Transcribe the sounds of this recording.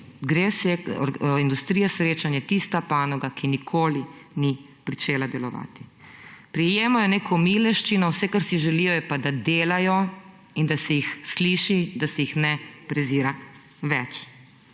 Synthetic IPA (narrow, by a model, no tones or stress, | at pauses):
ɡɾesɛɾind̪ust̪ɾijɛsɾeːt͡ʃanjɛt̪ist̪apaːnɔɡakinikʰoːlini | pɾit͡ʃeːlad̪ɛlɔʋa̰ːt̪i̥ | pɾijeːmɔjɛneːkʰɔmiːlɛʃt͡ʃinɔwsɛkaɾsiʒɛliːjɔjɛpad̪ad̪eːlajɔ | ind̪asɛjixsliʃid̪asɛjixnɛpɾɛziːɾa | ʋɛt͡ʃ